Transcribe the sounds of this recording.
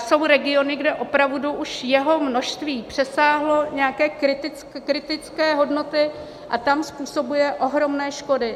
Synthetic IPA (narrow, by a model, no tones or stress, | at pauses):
so̞wɾɛɡɪo̞nɪɡdɛʔo̞pɾavduʔuʃjɛɦo̞mno̞ʃst̪viːpr̝̥ɛsaːɦlo̞ɲɛakɛːkɾɪt̪ɪt͡skkɾɪt̪ɪt͡skɛːɦo̞dno̞t̪ɪ | ʔat̪amspuːso̞bujɛʔo̞ɦɾo̞mnɛːʃko̞dɪ